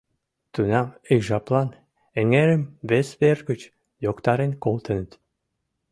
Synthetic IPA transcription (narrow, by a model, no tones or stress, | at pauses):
t̪unɑmijʒɑplˠɑn | eŋeɾɘ̆mβesβerɣə̆t͡ɕ | jokt̪ɑɾenkolˠt̪ə̆nə̆t̪